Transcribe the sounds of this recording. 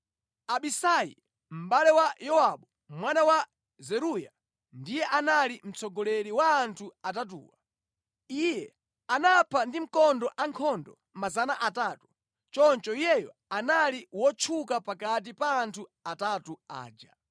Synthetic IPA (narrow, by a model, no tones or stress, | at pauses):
aɓisajḭ | m̩ɓalɛwajɔwaɓɔ | mwanawa | zɛɾuja̰ | ndijɛʔanalim̩t͡sɔɡɔlɛɾiwaːntʰuatat̬ṵːwa̰ | ijɛ | anapʰandim̩kɔndɔʔaŋkʰɔndɔ | mazanaʔatatu | t͡ʃɔnt͡ʃɔijɛjɔ | analiwɔt͡ʃʰukapakat̬ipaːntʰuatatua̰ːd͡ʒa̰